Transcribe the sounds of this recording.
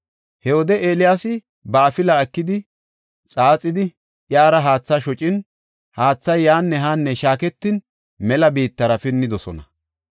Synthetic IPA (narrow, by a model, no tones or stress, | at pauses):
hɛwɔd̪ɛʔeːlɪjaːsɪ | bɐːfɪlɐɐkːɪd̪ɪ | t͡sʼaːt͡sʼɪd̪ɪ | ʔjaːɾɐɦaːt͡sːaʃɔt͡ʃʼɪn | haːt͡sːɐjːaːnːɛɦaːnːɛʃaːkɛt̪ːɪn | mɛlɐbiːt̪ːɐɾɐfɪnːɪd̪ɔsɔnɐ̰